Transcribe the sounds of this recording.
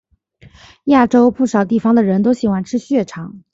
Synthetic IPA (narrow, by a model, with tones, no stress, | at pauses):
ja˥˩ʈ͡ʂo˥ʊpu˥˩ʂɑ˨˩ʊt̪i˥˩fɑ˧˩ŋd̪ə˨ɻə˧˥nt̪o˥ʊɕi˨˩xwa˥˩nʈ͡ʂʰɻ̩˥ɕɥɛ˥˩ʈ͡ʂʰɑ˧˥˦ŋ